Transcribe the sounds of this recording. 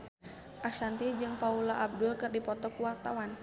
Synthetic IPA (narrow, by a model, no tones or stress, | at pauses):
ʔasant̪id͡ʒɨŋpaulaʔab̚dʊlkɨrdipɔt̪ɔkuwart̪a̰wan